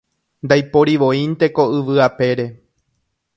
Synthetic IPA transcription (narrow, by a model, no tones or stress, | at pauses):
nd̪ajpo̞ɾiʋõ̞ĩnt̪e̞ko̞ɨʋɨape̞ɾe̞